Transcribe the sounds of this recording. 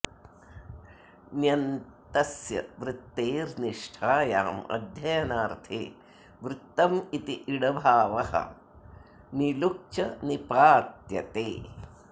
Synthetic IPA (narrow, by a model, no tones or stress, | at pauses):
njɐnt̪ɐsjɐ̰ʋɾɪt̪ːeːɾniʂʈʰaːjaːmɐ̰d̪ʱjɐjɐnaːɾt̪ʰḛː | ʋɾɪt̪ːɐmit̪iʔiɽɐbʱaːʋɐhɐ̰ | niluk̚t͡ʃɐnipaːt̪jɐ̰t̪eː